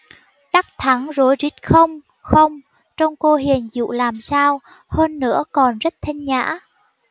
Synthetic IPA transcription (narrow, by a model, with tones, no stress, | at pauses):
ka˦˥k̚t̪ʰa˨˦ŋzo˨˦jzi˦˥t̚xə˧wŋ͡m | xə˧wŋ͡m | t͡ɕɔ˧wŋ͡mko˧ɦi˨˩ənzṵ˧˨laː˨˩msaː˧w | həː˧nːɨ̰˧˥əkɔ˨˩nzə˦˥t̚t̪ʰa˧ŋɲa̰ː˧˥